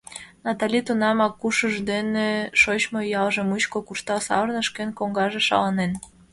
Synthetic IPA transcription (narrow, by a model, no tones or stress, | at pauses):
nɑt̪ɑlʲit̪unɑmɑkːuʃəʒd̪eneʃot͡ɕmojɑlʒəmut͡ɕkokurʃt̪ɑsɑ̰βərnəʃkenkoŋɡɑʒeʃɑ̰lɑnen